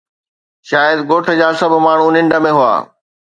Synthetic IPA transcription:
ʃaːjəd̪ɡoːʈʰə̆d͡ʑaːsɐbʱmaːɳ̤unɪ̃ɳɖəmẽɦua̰ː

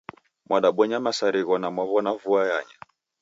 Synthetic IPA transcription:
mwaɗaɓɛɲamasaɾiɣɔnamwaβɔnavuaja̰ɲa

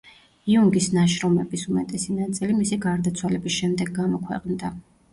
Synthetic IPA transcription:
iuŋɡisnaʃɾɔmɛbisumɛt̪ʼɛsinat̪sʼilimisiɡaɾd̪at̪sʰwalɛbisʃɛmd̪ɛɡːamɔkʰwɛ̰qʼnd̪a

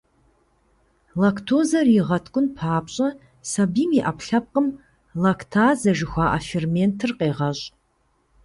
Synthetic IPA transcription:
laktʰoːzɐrjiʁɐtʰkʷʼʊnpʰaːpɕʼɐ | sɐbiːmiʔapɬɐp̚qəm | lakʰtʰaːzɐʒɪxʷaːʔafermentʰɨrqeːʁɐɕʼ

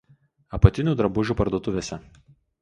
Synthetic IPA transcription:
ɐpɐt̪ʲɪnʲuːˑd̪ɾɐbʊʒʲuːˑpɐɾd̪oɔt̪ʊʋʲeːsʲɛ

